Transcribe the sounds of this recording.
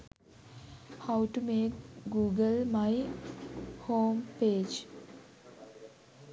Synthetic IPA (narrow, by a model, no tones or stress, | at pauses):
hawʈumeːkɡuːɡəlmaɪ | hoːmpeːd͡ʒ